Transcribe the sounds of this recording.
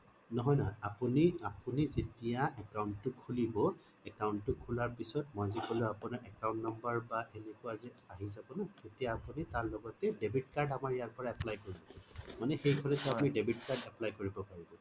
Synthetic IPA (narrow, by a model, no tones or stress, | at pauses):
nɔɦɔjnɔɦɔjapuniapunizetijaʔɛkawnːʊkʰulibɔ | ɛkawntːʊkʰulaɹpisɔtmɔjzikɔlʊapunaɹʔɛkawntnɔmbaɹbaenekʊaziaɦizabɔnatetijaːpunitaɹlɔɡɔtɛdebitkaɹdamaɹjaɹpɔɹaɛplajkoɹibɔamanɛxejɡʱɔɹɛtɛapumidebitkaɹdɛplajkoɹibɔpaɹibɔ